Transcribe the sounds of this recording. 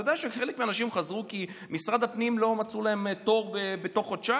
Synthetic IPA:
jodejaʃeχelekmeanaʃimχazʁuki | misʁad̪apnimlo̞mat͡sulae̞mt̪o̞ʁbebet̪o̞χodt͡ʃa

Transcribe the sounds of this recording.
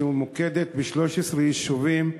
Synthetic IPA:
umuked̪et̪biʃlo̞ʃesʁejiʃuvim

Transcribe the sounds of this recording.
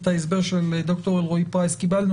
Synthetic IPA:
t̪aesbe̞ʁʃeld̪o̞kt̪o̞ʁelʁoipʁaeskibalnu

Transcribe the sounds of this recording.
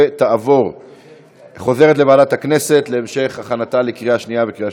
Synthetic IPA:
t̪aavo̞ʁ | χo̞ze̞ʁet̬levaadat̪hakne̞se̞t̪leːmʃe̞χhaχanatalekʁijaʃniavekʁija

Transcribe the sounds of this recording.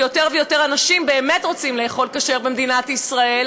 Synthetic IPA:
jo̞te̞ʁvejo̞te̞ʁanaʃimbe̞ːme̞tʁo̞t͡simleːχo̞lkaʃe̞ʁbemd̪inatisʁae

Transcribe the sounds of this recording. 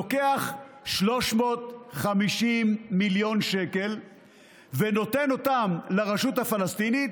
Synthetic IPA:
oke̞aχ | ʃlo̞ʃmo̞t̪χamiʃimːiljo̞nʃe̞ke̞l | veno̞te̞no̞tamlaʁaʃuthafalast̪init̪

